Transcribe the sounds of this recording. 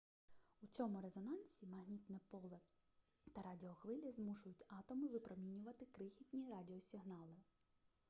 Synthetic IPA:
ut͡sʲɔmʊɾezɔnɑnsʲimɐɦnʲit̪nɛpɔlˠɛ | t̪ɐɾɑdʲɪɔxʋɪlʲɐzmuʃʊjʊtʲɑt̪ɔmɪʋɪpɾɔmʲinʲʊʋɐt̪ɪkɾɪxʲitʲnʲiɾɑdʲɪɔsʲɪɦnɑlˠɪ

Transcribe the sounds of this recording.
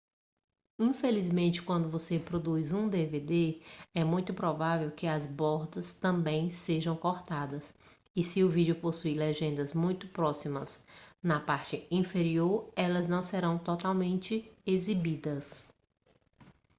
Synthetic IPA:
ĩfelizmẽnt͡ʃɪ̥kwɐ̃nd̪ʊvosepɾod̪ujzũd̪eved̪eɛmũj̃t̪ʊpɾɔvavewkɪɐzbɔɾd̪ɐst̪ɐ̃bẽj̃seʒɐ̃w̃koɾt̪ad̪ɐs | ɪsɪʊvid͡ʒʊposuilɛʒẽnd̪ɐzmũj̃t̪ʊpɾɔsimɐsnɐpaɾt͡ʃɪĩfeɾioɾɛlɐznɐ̃w̃sɛɾɐ̃w̃t̪ɔt̪awmẽnt͡ʃɪezibid̪ɐs

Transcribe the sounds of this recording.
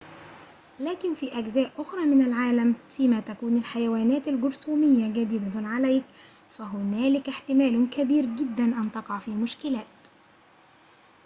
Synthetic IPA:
læːkɪnfiːʔæɡzæːʔʔʊxɾˤɑːmɪnalʕaːlamfiːmat̪ækuːnɪlħajawaːnæːt̪alɡʊɾt̪uːmɪjːaɡæd̪ɪd̪aʕalæjk | fæɦʊnæːlɪkɪħt̪ɪmæːlʊkæbiːɾɡɪd̪ːanʔant̪ɑqɑʕfiːmʊʃkɪlæːt̪

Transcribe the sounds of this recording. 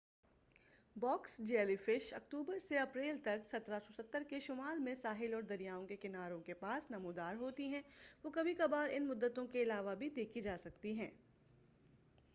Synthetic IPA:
bɔːksd͡ʒeɛːlifɪʃɐk̚ʈ̪uːbəɾseɐpɾeːlt̪ɐksɐt̪ɾasɔsɐt̪ːəɾkeʃʊmaːlmẽsaːɦɪlɔːɾd̪ɐɾijaːõkekɪnaːɾõkepaːsnɐmuːd̪aːɾɦoːt̪iɦɛ̃ʋokɐbʱikɐbaːɾɪnmʊd̪ːət̪õkeɪlaːʋabʱid̪eːkʰid͡ʒaːsɐk̚t̪iɦɛ̃ː

